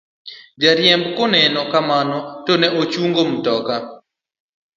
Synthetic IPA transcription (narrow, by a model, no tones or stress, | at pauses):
d͡ʒaɾjɛmbkɔnɛnɔkamanɔtonɛʔot͡ʃuŋɡom̩tɔka